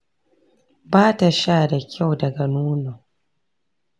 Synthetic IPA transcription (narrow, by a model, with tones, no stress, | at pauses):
baː˦ta˨ʃaː˦˨da˨kʲʰa˦˨wdɐ˨ɡa˨nuː˦no˨